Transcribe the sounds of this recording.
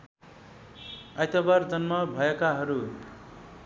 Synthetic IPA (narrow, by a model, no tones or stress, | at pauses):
ajt̪ʌbard͡zʌnmʌbʱʌekaɦʌɾu